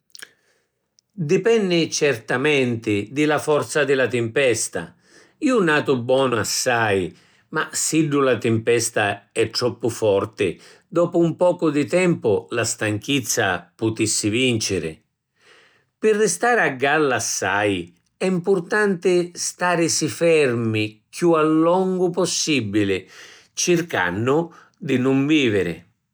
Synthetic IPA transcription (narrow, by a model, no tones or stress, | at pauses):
d̪ɪpɛnːɪt͡ʃɛrt̪amɛnt̪ɪd̪ɪlafɔrt̪sad̪ɪlat̪ɪmpɛst̪a̰ | iːunaːt̪ʊbːwɔːnʊasːaj | masiɖːulat̪ɪmpɛst̪aɛt̪ːɾɔpːʊfɔrt̪ɪ̰ | d̪ɔːpʊumpɔːkʊd̪ɪt̪ɛmpʊlast̪aŋk̟it̪sːa̰pʊt̪isːɪvint͡ʃɪɾɪ̰ | pɪrːɪst̪aːɾɪaɡːalːasːaj | ɛimpʊrt̪ant̪ɪst̪aːɾɪsifɛrmɪkjualːɔŋɡʊpɔsːibːilɪ | t͡ʃɪrka̰nːʊ | d̪ɪnʊɱviːvɪɾɪ̰